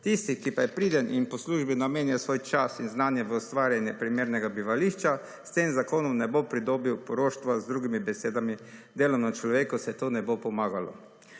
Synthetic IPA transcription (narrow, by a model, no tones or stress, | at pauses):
t̪ist̪ikipajɛpɾiːd̪ɛnʔinpɔsluːʒbinameːnjasʋoːjt͡ʃasinznaːnjɛʋəɔst̪ʋaːɾjanjɛpɾimeːɾnɛɡabiʋaliːʃt͡ʃa | st̪eːmzakoːnɔmnɛbopɾid̪oːbiwpɔɾoːʃt̪ʋazd̪ɾuːɡimibɛseːd̪amid̪eːlɔmnat͡ʃlɔʋeːkusɛt̪oːnɛbopɔmaːɡalɔ̰